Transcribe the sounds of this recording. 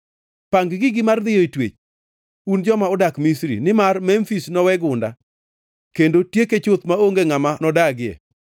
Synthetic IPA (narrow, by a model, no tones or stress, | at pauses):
paŋɡɡɪɡɪmard̪ɪjɔitwet͡ʃ | und͡ʒɔmaʊdakmisɾḭnɪmarmɛmfisnɔwɛɡʊnda | kendotjeket͡ʃot̪maoŋɡeŋamanɔdaɡɪɛ̰